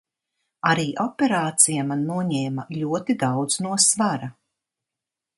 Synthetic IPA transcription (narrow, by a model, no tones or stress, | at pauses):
aɾiːʔɔpʲeɾaːt̪sijamanːuɔɲɛːmaʎʲuɔt̪id̪awd̪z̥nuɔsvaɾa